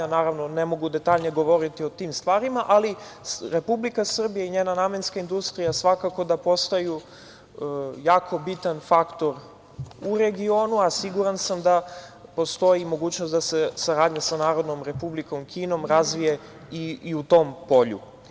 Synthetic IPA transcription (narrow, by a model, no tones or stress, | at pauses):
anaːɾaʋno̞nemo̞ɡud̪e̞t̪aːʎɲeɡo̞ʋo̞ɾit̪io̞t̪iːmst̪ʋaːɾimaʔaliɾe̞publikasr̩bijaiɲeːnanamenskaind̪ust̪ɾijasʋakako̞d̪apo̞st̪aju | jaːkʰo̞bit̪anfakt̪o̞ɾ | uɾe̞ɡio̞ːnuasiɡuɾansamd̪apo̞st̪o̞imo̞ɡuːt͡ɕnost̪d̪ase̞saɾaːd̪ɲasanaːɾo̞d̪no̞mɾe̞publiko̞mkʰiːno̞mɾazʋije | iiut̪o̞ːmpo̞ʎṵ